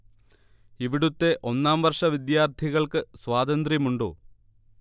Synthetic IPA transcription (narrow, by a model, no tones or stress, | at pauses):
iʋiɽut̪ːe̞ʔo̞nːaːmʋɐrʂɐʋid̪jaːrt̪ʰiɣɐɭkɨswaːd̪ɐnd̪rjɐmuɳɖo̰ː